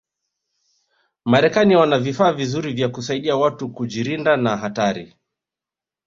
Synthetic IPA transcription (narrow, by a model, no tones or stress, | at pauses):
maɾɛkaniwanavifaːvizuɾivjakusaiɗiawatukuʄiɾindanaɦataɾḭ